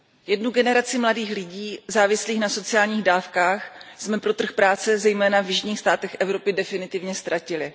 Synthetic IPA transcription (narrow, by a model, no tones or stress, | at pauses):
jɛdnuɡɛnɛɾat͡sɪmladiːxlɪɟiːzaːvɪsliːxnaso̞t͡sɪaːlɲiːɣdaːfkaːxsmɛpɾo̞t̪r̩xpɾaːt͡sɛzɛjmɛːnavjɪʒɲiːxst̪aːt̪ɛxʔɛvɾo̞pɪdɛfɪnɪt̪ɪvɲɛst̪ɾʔacɪlɪ